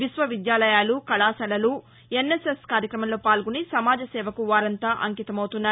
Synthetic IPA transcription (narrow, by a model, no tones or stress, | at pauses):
ʋisʋɐʋid̪jaːlɐjaːlukɐɭaːsɐlɐlu | e̞nːeseskaːɾjɐkɾɐmɐmlo̞ːpaːlɡunisɐmaːd͡ʒɐsɛːʋɐkuʋaːɾɐnt̪aːʔɐŋkit̪ɐmɐwt̪unːaː